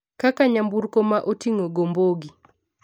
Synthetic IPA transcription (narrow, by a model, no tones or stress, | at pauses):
kakaɲambuɾkomaʔotiŋoɡomboɡi